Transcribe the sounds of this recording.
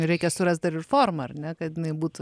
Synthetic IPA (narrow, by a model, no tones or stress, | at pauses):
ɾʲɛɪkʲɛsʊɾɐst̪̚d̪ɐɾɪrfoːrmɐɐrnʲɛkɐt̪jɪnɐɪbuːt̪ʊ